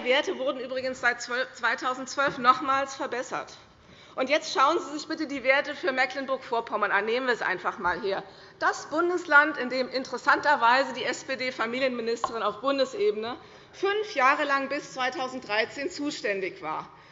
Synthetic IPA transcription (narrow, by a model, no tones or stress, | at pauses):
iveːɐtəvʊɐdn̩ʔyːbʁɪɡən̩sz̥aɪtt͡svœft͡sv̥aɪtʰaʊzn̩tt͡sv̥œlfnɔχmaːlsfɛɐbɛsɐ̰t | ʔʊntjɛt͡stʃaʊənziːzɪçb̥ɪtədiːveːɐtəfyːɐmɛklɪnbʊɐkfoːɐkʰɔmənaneːmənviːɐɛsʔa̰ɪnfaχmaːlɦeːɐ | d̥asb̥ʊndəslantɪndeːmɪntəʁɛsantɐvaɪzədiːɛspeːdeːfamiːljənmɪnɪstəʁ̞ɪnaʊfb̥ʊndəsʔeːbənə | fʏnfjaːʁəlaŋbɪst͡sv̥aɪtʰaʊzn̩td̥ʁaɪt͡seːnt͡suːʃtɛndɪçv̥a̰ːɐ